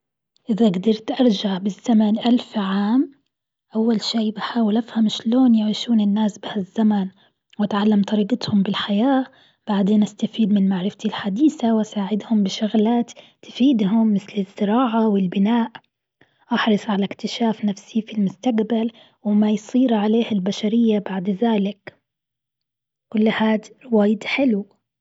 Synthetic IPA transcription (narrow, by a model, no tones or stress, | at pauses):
ʔɪðaɡd̪ɑɾˤt̪ʔɑɾˤd͡ʒaʕbɪzːamanʔalfʕaːm | ʔawːalʃiːbaħaːwɪlʔafhamʃloːnjaʕiːʃuːnɪnːaːsbɪhazːaman | wat̪ʕalːamt̪ˤɑɾiːqɪt̪hʊmbɪlħajaː | b̥aʕd̪eːnʔast̪afiːd̪mɪnmaʕɾɪft̪ilħad̪iːθawasaːʕɪd̪hʊmbɪʃʊɣlaːt̪ː | fiːd̪ɦʊmːɪθlɪzːɪɾɑːʕawɪlbɪnaːʔ | ʔɑħɾˤɨsˤʕalakt̪ɪʃaːfnafsifilmʊst̪aqbal | wɪmajsˤiːɾʕaleːhɪlbaʃaɾɪjːabaʕd̪ðaːlɪk | kʊlːhaːd̪ɾwaːjɪd̪ħɪlu